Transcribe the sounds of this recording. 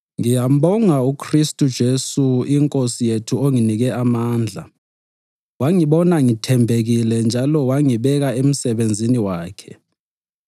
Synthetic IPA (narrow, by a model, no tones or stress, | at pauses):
ŋijam̩ɓɔŋaukʰristʼud̥ʒ̥ʱesuiŋkʼosijetʰuoŋiniɣɛamaːnd͡ɮʱa̰ | waŋiɓɔnaŋitʰɛmbʱeɣilɛnd͡ʒʱalɔwaŋiɓɛɣaem̩sɛβend͡zʱiniwaːkʰɛ